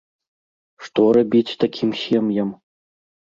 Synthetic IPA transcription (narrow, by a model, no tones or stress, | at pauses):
ʂt̪ɔɾabʲit͡sʲt̪akʲʰimsʲɛmjɐm